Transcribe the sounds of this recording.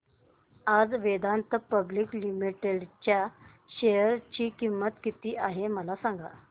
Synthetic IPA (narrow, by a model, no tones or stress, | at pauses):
ad͡zʋed̪ant̪əpəbliːklimiʈeɽt͡ɕja | ɕejəɾt͡ɕiːkimːət̪kit̪iːaɦeməlasaŋɡa̰